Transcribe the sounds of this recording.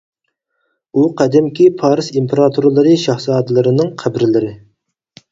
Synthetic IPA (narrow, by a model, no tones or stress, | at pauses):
uqʰɛd̪ɛmkʲipʰɑːɾɨsimpʰeɾɑt̪ʰuɾɨlˠɨɾɨʃɑhsɑːd̪ɨlˠɨɾɨnɨŋqʰæbɾɪlɪɾɪ